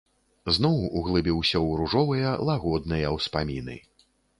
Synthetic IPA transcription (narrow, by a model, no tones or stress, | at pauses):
znɔwuɣlˠɨbʲiwsʲɐwɾuʐɔvɨjɐlˠaɣɔd̪̚nɨjɐwspamʲinɨ̰